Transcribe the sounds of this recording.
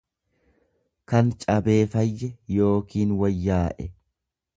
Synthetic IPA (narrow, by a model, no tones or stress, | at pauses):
kɐnt͡ʃʼɐbe̞ːfɐjːɛjo̞ːkiːnwɐjːaːʔɛ